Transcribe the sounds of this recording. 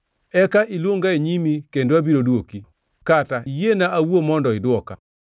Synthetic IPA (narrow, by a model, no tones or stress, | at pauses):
ɛkaʔilwoŋɡaeɲimikendoabiɾodoki | kataijenaʔawomɔndɔɪdwɔka̰